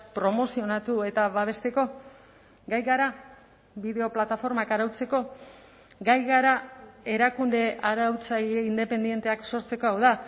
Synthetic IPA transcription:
pɾo̞mo̞sio̞nat̪ue̞t̪aβaβ̞e̞st̪e̞ko̞ | ɡajɣaɾa | βiðe̞o̞plat̪afo̞ɾmakaɾawt͡se̞ko̞ | ɡajɣaɾae̞ɾakund̪e̞ʔaɾawt͡saʎeind̪e̞pe̞nd̪je̞nt̪e̞akso̞ɾt͡se̞koawða

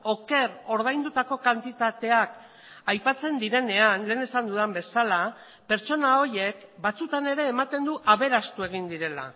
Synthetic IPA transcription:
o̞ke̞ɾo̞ɾð̞ajnd̪ut̪ako̞kant̪it̪at̪e̞ak | ajpat͡se̞nd̪iɾe̞ne̞anle̞ːne̞sand̪uðembe̞sala | pe̞ɾt͡ʃo̞nao̞ɾje̞kbat͡sut̪ane̞ɾe̞ːmat̪e̞nd̪uʔaβe̞ɾast̪ue̞ɣ̞ind̪iɾe̞la̰

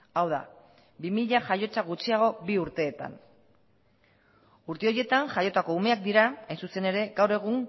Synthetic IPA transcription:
awða̰ | bimiʎaʝajo̞t͡saɣut͡siaɣ̞o̞biuɾt̪e̞ːt̪a̰n | uɾt̪e̞o̞je̞t̪aŋʝajo̞t̪ako̞ume̞ak̚d̪iɾaajnsuse̞ne̞ɾe̞ɡawɾe̞ɣ̞uŋ

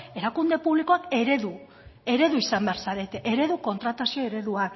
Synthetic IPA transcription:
e̞ɾakund̪e̞puβliko̞ake̞ɾeðu | e̞ɾe̞ðuisambe̞aɾsaɾe̞t̪eʔeɾe̞ðuko̞nt̪ɾat̪asio̞e̞ɾe̞ðuak

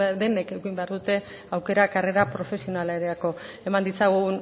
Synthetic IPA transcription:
d̪e̞ne̞keɣimbe̞aɾðut̪e̞ | awke̞ɾakare̞ɾapɾo̞fe̞sio̞nalaeɾeako̞ | e̞mand̪it͡saɣun

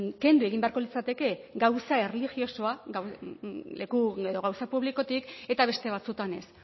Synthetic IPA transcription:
ke̞nd̪ue̞ɣimbe̞aɾko̞lit͡sat̪e̞ke̞ɡawsae̞relixio̞so̞aɡawle̞kueðo̞ɣawsapuβliko̞t̪ike̞t̪aβe̞st̪e̞β̞at͡sut̪ane̞s

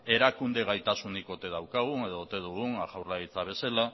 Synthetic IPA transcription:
e̞ɾakund̪e̞ɣajt̪asuniko̞t̪e̞ðawkaɣ̞une̞ð̞oːt̪e̞ð̞uɣuŋaʝawrlait͡saβ̞e̞sela

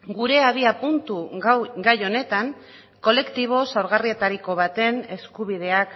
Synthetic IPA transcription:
ɡuɾe̞aðiapunt̪uɡajo̞ne̞t̪aŋ | ko̞le̞kt̪iβ̞o̞sawɾɣ̞arie̞t̪aɾiko̞β̞at̪e̞ne̞skuβ̞ið̞e̞ak

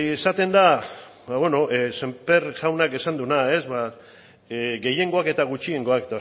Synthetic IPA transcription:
esat̪e̞nd̪a | baβwe̞no̞ʔse̞mpe̞ɾʝawnakesand̪unae̞zβa | ɡe̞je̞ŋɡo̞ake̞t̪aɣ̞ut͡ʃie̞ŋɡo̞aket̪a

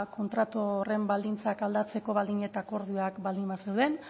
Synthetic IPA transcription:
ko̞nt̪ɾat̪ore̞mbald̪int͡sakald̪at͡se̞ko̞β̞ald̪iɲet̪ako̞ɾðioakbald̪imasewðe̞n

